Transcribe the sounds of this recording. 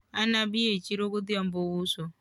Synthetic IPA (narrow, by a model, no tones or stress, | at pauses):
anabijet͡ʃiɾokod̪ijambowuso